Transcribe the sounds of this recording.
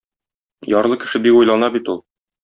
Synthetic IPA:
jɒɾlˠɤkɘ̆ʃɘbikujlˠɑnɑbit̪ulˠ

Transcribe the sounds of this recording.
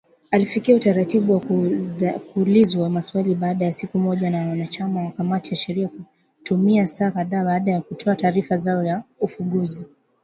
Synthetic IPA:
alifikiautaɾatiɓuwa | kulizwaamaswaliɓaːɗajasikumɔʄanawanat͡ʃamawakamatijaʃɛɾiaku | tumiasaːkaðaːaːɗajakutʰɔataːɾifazaɔjaufuɠuzi

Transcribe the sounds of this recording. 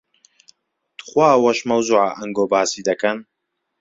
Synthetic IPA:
t̪χwaːwɐʃmɐwzuʕaʔɐŋɡobaːsiːd̪ɐkɐn

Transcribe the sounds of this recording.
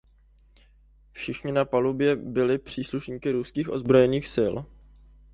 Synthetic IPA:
fʃɪxɲɪnapalubjɛbɪlɪpr̝̥iːsluʃɲiːkɪɾuskiːxʔo̞̰zbɾo̞jɛniːxsɪl

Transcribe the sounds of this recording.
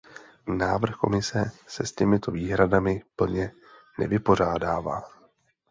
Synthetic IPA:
naːvr̩xko̞̰mɪsɛsɛscɛmɪt̪o̞viːɦɾadamɪpl̩ɲɛ | nɛ̰vɪpo̞r̝aːdaːva̰ː

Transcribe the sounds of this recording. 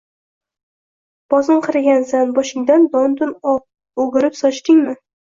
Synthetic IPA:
b̥ɒzɪɴqʰɨɾaɡʲanzanbɒʃɪŋd̪and̪ɒnd̪ʊnɒ | oɡʲɪɾɪpsɒt͡ʃt̪ɪŋmɪ

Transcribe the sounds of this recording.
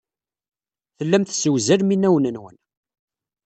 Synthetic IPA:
θəlːæmθsəwzælminːæwnənwə̰n

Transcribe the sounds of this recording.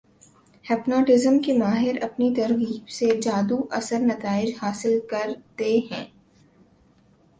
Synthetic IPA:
hɛːpnɔːʈɪzəmkemaːɦɪɾɐpnit̪ɐɾʋiːbsed͡ʒaːd̪uʔɐsəɾnɐt̪aːɪd͡ʒhaːsɪlkɐɾt̪eɦɛ̰̃ː

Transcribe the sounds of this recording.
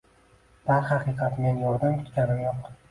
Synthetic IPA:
d̪̥aɾχɑqɨjqʰɑt̪me̞njɒɾd̪amkʲʰʊt̪kʲanɪmjɒq

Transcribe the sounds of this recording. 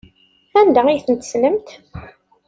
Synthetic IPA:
ænd̪æijθənt̪ə̥snəmt̪

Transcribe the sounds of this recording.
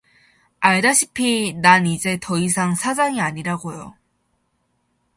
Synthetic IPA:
aɭdaɕʰipʰinanid͡ʑe̞tʌis̬ʰaŋsʰad͡ʑaŋiaɲiɾaɡojo̰

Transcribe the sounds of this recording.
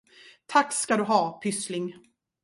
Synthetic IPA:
t̪ʰakːskad̪ɵɦɑːpʰʏslɪŋ

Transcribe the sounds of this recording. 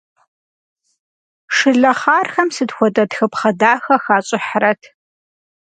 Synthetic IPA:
ʂɨɮɐχaːrxɐmsɨdxʷɔtʼɐtxɨpχɐdaːxɐxaːɕʼɪħrɐtʰ

